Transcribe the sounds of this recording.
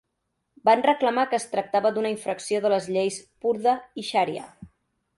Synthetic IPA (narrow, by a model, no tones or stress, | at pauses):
banrəkləmakəːst̪ɾək̚t̪aβəd̪unəiɱfɾəksioðələzʎejspuɾðəiʃaɾiə̰